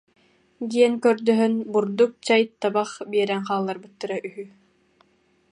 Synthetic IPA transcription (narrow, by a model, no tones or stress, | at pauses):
ɡiɛnkœɾd̪œɦœnbuɾd̪uk̚t͡ɕajt̪ːabaχbiɛɾɛŋχaːlˠːaɾbɯt̪ːaɾaʔyɦy